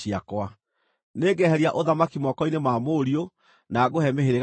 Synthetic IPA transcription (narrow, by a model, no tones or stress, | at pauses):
iakwa | neːɡɛhɛɾiaʔoðamakimwɔkɔinemamoːɾio | naɡoɦɛmeheɾe